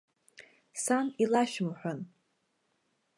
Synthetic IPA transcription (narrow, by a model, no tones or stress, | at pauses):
sanilaʃmħʷᶣan